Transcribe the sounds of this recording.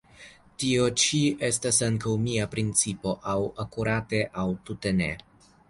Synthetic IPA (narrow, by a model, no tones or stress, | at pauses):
tio̞t͡ʃie̞stasaŋkawmiapɾint͡sipo̞ʔawakuɾate̞ʔawtute̞ne̞̰